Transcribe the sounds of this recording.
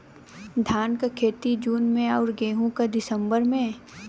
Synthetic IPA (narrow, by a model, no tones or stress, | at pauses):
d̪ʱaːnkakʰeːt̪id͡ʒuːnmẽaːɾɡeːɦũkad̪ɪsə̃mbəɾmẽ